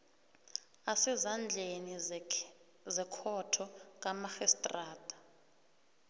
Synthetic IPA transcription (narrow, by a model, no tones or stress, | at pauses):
asɛzand͡ɮʱeni | zɛkʰɔtʰɔkʼamaxɛstʼraːtʼḁ